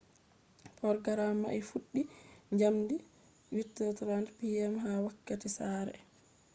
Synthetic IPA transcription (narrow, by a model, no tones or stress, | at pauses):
pɔɾɡaɾamːa̰ʔɛfuɗːiɲd͡ʒamdi | witːɔtɾantpiɛmɦawakːatisaːɾɛ̰